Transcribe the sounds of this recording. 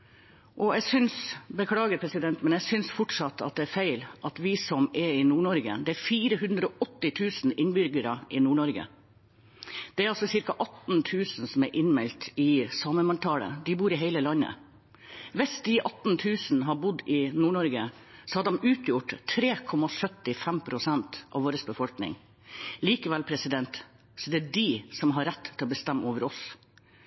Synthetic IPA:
ʔɔɛɡsʏnsbəkʰlɑːɡəɾpʰɾɛsɪd̪ɛnt̪mɛnɛɡsʏnsfɔʈʂɑt̪ːʰɑ̰t̪̚d̪ɛæɾfæɪlʔɑt̪ʋɪsɔmɛɾɪnuːɳɔɾɡə̰d̪ɛæɾfiːɾəɦʉnd̪ɾəɔʔɔt̪ːɪt̪ʰʉːsn̩ɪnbʏɾɡəɾɑʔɪnuːɳɔɾɡə̰ | d̪̥ɛæɾɑlsɔsɪɾkɑʔɑt̪n̩t̪ʰʉːsn̩sɔmɛɾʔɪnmɛlt̪ɪsɑːməmɑnʈʰɑːlə̰d̪ɪbuːɾɪɦeɪləlɑnːə̰ | ʋɪsd̪ɪʔɑt̪n̩t̪ʰʉːsn̩ɦɑbʊd̪ɪnuːɳɔɾɡə | sɔhɑd̪ɛmʉːt̪ʰjʊʈt̪ʰɾeːkʰɔmɑsœt̪ːɪfæmpʰɾʊsɛnt̪ʔɑ̰ʋoːɾəsbəfɔlknɪ̰ŋ | liːkəʋɛlpʰɾɛsɪd̪ɛnt̪ | sɔd̪ɛæɖisɔmɦɑɾːæt̪ːʰɪlɔbəst̪æmːʔoːʋəɾɔs

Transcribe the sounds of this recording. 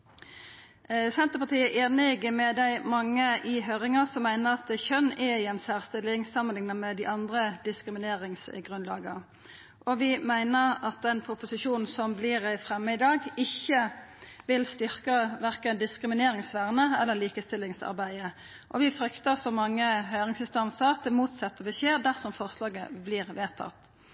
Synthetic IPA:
sɛnt̪əpɑt̪ʰiːəʔeːnɪɡəmɛd̪æɪmɑŋːəʔɪɦøːʁɪŋəsɔmːæɪnəʁɑt̪çœnɛɪɛnsæːʁst̪ɪlːɪŋsɑmənɪŋnəmɛd̪ɪʔɑnd̪ʁəd̪ɪskʁɪmɪneːʁɪŋsɡʁʉnlɑ̰ːɡə | ʔɔʋɪmæɪnəʁɑt̪̚d̪ɛnpʰʊpʊsɪʃuːn̩sɔmblɪʁæɪfʁɛmːəɪd̪ɑːɡɪçːəʋɪlst̪ʏʁkəʋæʁkənd̪ɪskʁɪmɪneːɾɪŋsʋæʁnəɛlːəliːkəst̪ɪlːɪŋsɑ̰ʁbæɪə | ʔɔʋɪfɾʏkt̪əsɔmɑŋːəɦœʏʁɪŋsɪnst̪ɑnsət̪ʰɪmuːt̪sɛt̪ːəʋ̪ɪçeːʁd̪æʁsɔmfɔʁslɑːɡə̰blɪːʁʋeːt̪ʰɑ̰t̪ː

